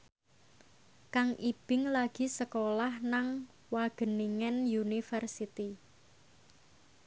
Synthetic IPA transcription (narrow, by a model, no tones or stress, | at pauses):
kaŋib̥ɪ̤ŋlaɡ̥i̤səkolahnaŋ | waɡ̥ə̤niŋɛnjunifərsit̪i